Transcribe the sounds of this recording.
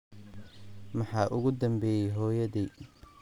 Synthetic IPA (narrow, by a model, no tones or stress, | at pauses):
mɑħɑːʔʊɣʊd̪ɐmbɛːjɛjɦɔːjɐðiː